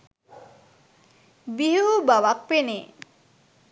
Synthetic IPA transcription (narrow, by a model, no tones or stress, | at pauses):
biɦuubaʋak̚pene